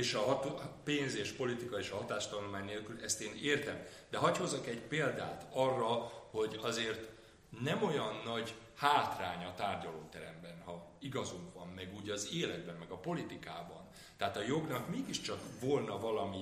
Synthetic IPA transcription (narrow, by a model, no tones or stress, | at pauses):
eːʃɒɦt̪peːnzeːʃpo̞lit̪ikɒeːʃɒɦɒt̪aːʃt̪ɒnulmaːɲneːlkylɛst̪eːneːrt̪ɛm | d̪ɛɦɒcho̞zɒkɛɟpeːld̪a̰ːt̪ɒrːɒho̞ɟɒzeːrt̪ | nɛmo̞jɒnːɒɟ | haːt̪raːɲɒt̪aːrɟɒloːt̪ɛɾɛ̰mbɛnhɒiɡɒzuŋkʋɒmːɛɡuːɟɒzeːlɛd̪bɛmːɛɡɒpo̞lit̪ikaːbɒ̰n | t̪ɛaːt̪ɒjo̞ɡnɒkmeːɡiʃt͡ʃɒkvo̞lnɒvɒlɒmi